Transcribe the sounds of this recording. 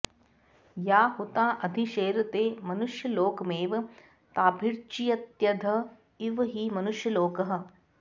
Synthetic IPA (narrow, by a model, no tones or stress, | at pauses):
jaːhut̪aːʔɐd̪ʱiʃeːɾɐt̪eːmɐnuʃjɐloːkmeːʋ | t̪aːbʱiɾt͡ʃijɐt̪jɐd̪ʱɐ | iʋɦimɐnʊʃjɐloːkɐɦə̆